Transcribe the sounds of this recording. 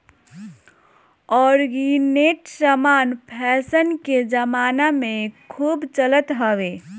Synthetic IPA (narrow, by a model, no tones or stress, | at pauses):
ɔːɾɡineʈsəmanpʰɛsənked͡ʒəmanamẽkʰuːbt͡ʃələt̪ɦəʋe